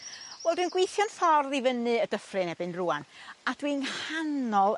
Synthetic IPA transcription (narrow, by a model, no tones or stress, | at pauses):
vwɛlˠdwɨnɡwejθjɔnfɔrðivənɨədəfrɨnɛbɨnruanad̥winhanɔlˠ